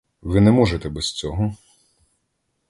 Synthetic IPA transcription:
ʋɪnɛmɔʒet̪ɛbɛst͡sʲɔɦɔ

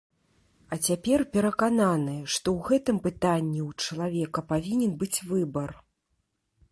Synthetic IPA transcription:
ɐt͡sʲapʲɛrpʲɛɾɐkananɨʂt̪ɔwɣɛt̪ɨmpɨt̪anʲːiwt͡ʂɐlˠavʲɛkɐpavʲinʲɛnbɨt͡sʲvɨbɐr

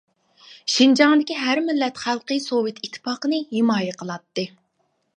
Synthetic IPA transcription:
ʃind͡ʒɑŋd̪ɪkʲiɦæɾmɪlːɛt̪χælˠqəjsowɨt̪ʰit̪ʰːɪ̥pɑqənɨɦɪmɑːjɛqʰəlˠɑt̪ːɨ

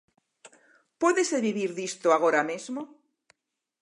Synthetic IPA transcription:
pwoðeseβiβiɾðist̪oaɣ̞oɾamezmo

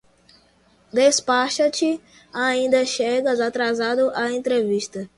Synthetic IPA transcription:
d̪espaʃɐt͡ʃɪ | aĩnd̪ɐʃeɡɐzat̪ɾazad̪ʊʔaẽnt̪ɾeviʃt̪ɐ

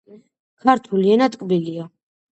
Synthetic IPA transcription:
kʰaɾt̪ʰuliɛnat̪ʼkʼbilia

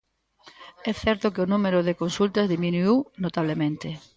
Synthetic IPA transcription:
ɛθɛɾt̪okeonumeɾoðekonsult̪azðimĩnuiwnot̪aβ̞lemẽnt̪e

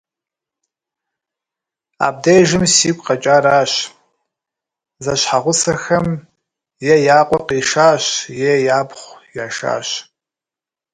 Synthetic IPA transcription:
a̰b̚dejʒɨmsiːkʷʼqɐt͡ʃʼaːɾaːɕ | zɐɕħaʁʷʊsɐxɐm | jɛjaːqʷʼɔqiʂaːɕjɛjaːpʰχʷjaːʂa̰ːɕ

